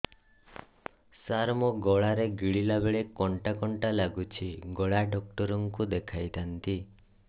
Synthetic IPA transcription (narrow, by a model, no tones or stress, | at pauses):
saɾmɔɡɔɭaɾeɡiɭilabeɭekɔɳʈakɔɳʈalaɡut͡ʃʰiɡɔɭaɖɔk̚ʈɔɾɔŋkud̪ekʰajt̪ʰant̪i